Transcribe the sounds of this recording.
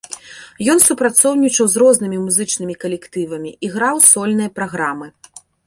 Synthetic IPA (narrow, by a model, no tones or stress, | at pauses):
jɔnsupɾat̪sɔwnʲit͡ʂɐwzrɔznɨmʲimuzɨt͡ʂnɨmʲikɐlʲɛkt̪ɨvɐmʲiʔiɣɾawsɔlʲn̪ɨjɐpɾaɣɾamɨ